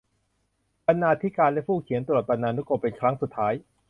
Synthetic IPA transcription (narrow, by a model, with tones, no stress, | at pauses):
ba˧nːaː˧˩t̪ʰiː˦˥kaː˧nlɛ˦˥pʰuː˥˩kʰi˨˩˦nt̪ɾu˨˩t̪̚ba˧nːaː˧nu˦˥ko˧pe˧nkʰɾa˦˥ŋsu˨˩t̪ʰːaː˦˥j